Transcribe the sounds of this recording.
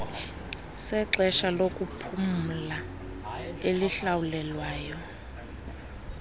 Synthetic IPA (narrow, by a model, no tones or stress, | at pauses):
sɛǁɛʃalokʼupʰum̩la | eliɬawulɛlwaːjɔ